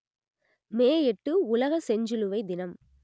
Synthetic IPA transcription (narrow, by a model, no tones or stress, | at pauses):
meːjɛʈːɯʊlɐɣɐsɛɲd͡ʒɯlɯʋɐɪd̪ɪnɐm